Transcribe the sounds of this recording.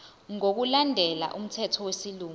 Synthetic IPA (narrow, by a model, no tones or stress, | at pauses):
ŋok̬ulandʱɛla̰ʔum̩tʰɛtʰɔwesiluː